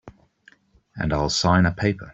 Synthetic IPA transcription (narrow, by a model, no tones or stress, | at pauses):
ə̰̃naɪlˠsãɪ̃nəpʰeɪpʰə̰